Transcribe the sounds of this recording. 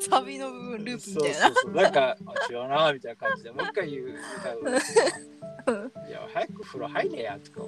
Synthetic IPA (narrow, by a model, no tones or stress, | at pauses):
saβʲinobɯ̟bɯ̟̃nɾɯːpɯmiot̪ːajnaonãkaat͡ɕijonamit̪ainakãɲd͡ʑid̪e̞moiikːaɯkã | ɯ̃ja̰hajakɯɸɯ̟ɾo̰haiɾeja̰t̪o̥ka̰